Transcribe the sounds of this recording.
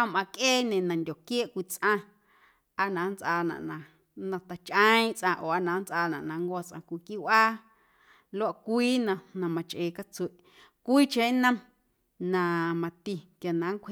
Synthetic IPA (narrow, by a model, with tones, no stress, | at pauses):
a˧mʔã˧kʔeː˦nẽ˨nã˨ndʲo˨kje˦ʔkʷi˧t͡sʔã˧ | a˧nã˨˦nt͡sʔaː˧nã̰˨ʔnã˧˨ | nã˧t̪a˨t͡ʃʔə̃˦ĩ˦ʔt͡sʔã˧ʔoː˨a˧nã˨˦nt͡sʔaː˧nã˨ʔnã˨ŋɡʷa˧t͡sʔã̰˧kʷi˧ki˦wʷʔaː˦ | lo˦a˦˧ʔkʷiː˦nã˧nã˧mã˨t͡ʃʔeː˧˨ka˦t͡swe˨ʔ | kʷiː˦t͡ʃẽ˦nã˧ | nã˧mã˧t̪i˧kja˨nã˨˦ŋkʷʰe˧